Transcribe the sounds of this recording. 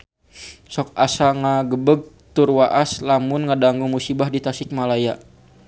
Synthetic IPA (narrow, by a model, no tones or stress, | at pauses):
sɔkasaŋaɡəbəɡ̚ | t̪urwaʔaslamʊnŋadaŋɡuŋmusibahdit̪asɪk̚malaja